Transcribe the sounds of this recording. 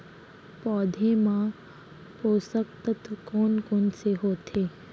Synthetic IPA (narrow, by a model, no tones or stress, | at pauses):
pɔːd̪ʱemã | poːsək̚t̪ət̪ʰkɔːnkonseɦoːt̪ʰeː